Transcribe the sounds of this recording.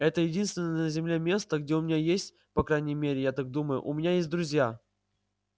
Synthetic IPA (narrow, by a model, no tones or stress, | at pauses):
ɛt̪əjɪdʲinst̪vʲɪnənj̪əzʲɪmlʲe̞mʲe̞st̪əɡdʲeʊmʲɪnʲajesʲtʲ | pɐkɾajnʲɪjmʲeɾʲɪjat̪ak̚d̪uməjʊ̰ʔʊmʲɪnʲajes̬ʲt̚ʲd̪ɾʊzʲja